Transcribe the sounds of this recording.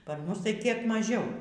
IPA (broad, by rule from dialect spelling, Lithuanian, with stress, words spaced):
ˈpɐr ˈmʊs tɐɪ kʲiɛk mɐˈʒʲɛʊ